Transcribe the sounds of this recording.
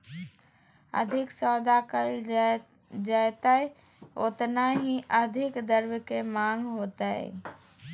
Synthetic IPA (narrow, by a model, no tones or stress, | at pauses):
ə̰d̪ʱɪksɔːd̪akəɪl | d͡ʒajt̪aɛ | o̰t̪naɦiʔəd̪ʱɪkd̪əɾwəkemãːŋɡɦoːt̪aɦɛ̰